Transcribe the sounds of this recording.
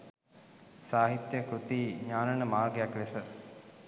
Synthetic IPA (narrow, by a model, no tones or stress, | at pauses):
saːɦit̪jəkɾut̪iːɲaːnɐnəmaːrɡejakʋesə